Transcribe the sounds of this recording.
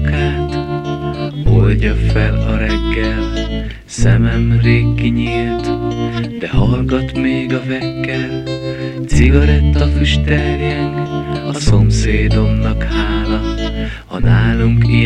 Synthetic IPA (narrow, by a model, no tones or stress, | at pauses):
kaːt̪ | bolɟɒfɛlɒɾɛɡːɛl | sɛmɛmreːkːiɲiːlt̪d̪ɛhɒlɡɒt̪meːɡɒvɛkːɛlt̪siɡɒɾɛt̪ːɒfyʃt̪ɛljɛŋkɒso̞mseːd̪o̞mnɒkhaːlɒ | hɒ̰naːluŋki